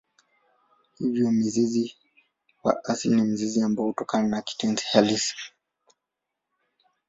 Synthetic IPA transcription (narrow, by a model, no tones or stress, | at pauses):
hivjɔmizizi | wa̰ʔasinim̩ziziambaɔhutɔkananaki̥tɛnzi̥halisi̥